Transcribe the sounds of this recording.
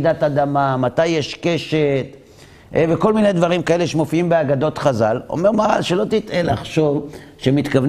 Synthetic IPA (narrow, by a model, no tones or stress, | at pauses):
d̪at̪ad̪amamat̪ajːeʃke̞ʃet̪ | veko̞lminejd̪vaʁimkaele̞ʃemo̞fiimbeaɡad̪o̞t̪χazalo̰me̞ʁmaʁalʃelo̞t̪it̪elaχʃo̞v | ʃemit̪kav